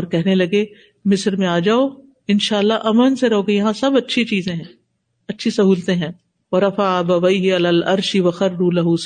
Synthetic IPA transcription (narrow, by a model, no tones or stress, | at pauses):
ɔːɾkɛɦnelɐɡe | mɪsɾmẽaːd͡ʒaːoː | ɪnʃaːəlːaʔɐmənseɾɐɦoːɡejɐɦãsɐbɐtːʃʰit͡ʃiːzẽɦɛ̃ː | ɐtːʃʰisɐɦuːlt̪ẽɦɛ̃ː | wɐɾɐfaːbɐwejɦɪɐlaːlɐɾʃiwɐxɐɾːuːlɐɦus